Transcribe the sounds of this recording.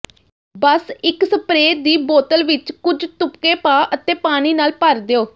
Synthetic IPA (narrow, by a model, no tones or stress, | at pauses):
bəsɪksəpɾeːd̪iːboːt̪əlʋɪt͡ʃkʊd͡ʒt̪ʊpkeːpaːʔət̪ẽːpaːɽ̃iːnaːlpəɾd̪eːoː